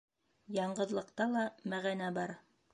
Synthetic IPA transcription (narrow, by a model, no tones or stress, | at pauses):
jɑɴɢɤ̆ðlˠɤ̆qt̪ɑlˠɑmæʁænæbɑɾ